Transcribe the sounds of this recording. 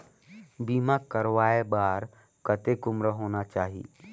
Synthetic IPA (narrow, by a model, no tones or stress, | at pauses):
biːmakəɾʋaːebaːɾ | kət̪ekʊmɾəɦoːnat͡ʃaːɦḭ